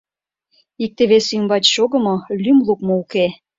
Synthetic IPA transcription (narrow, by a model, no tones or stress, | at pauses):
ik̚t̪eβesymbɑt͡ɕʃoɣɤ̆mŏlymlˠukmouke